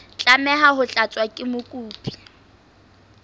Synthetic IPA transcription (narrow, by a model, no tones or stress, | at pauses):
t͡ɬʼamɛɦaɦʊt͡ɬʼat͡sʼwakʼɪmʊkʼuːpʼi̥